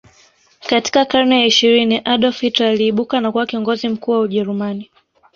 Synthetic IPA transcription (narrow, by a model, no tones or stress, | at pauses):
kati̥kakaɾnɛjaiʃiɾiniʔaɗɔfitaaliːɓukanakuwakiɔŋɡɔzim̩kuːwauʄɛɾumani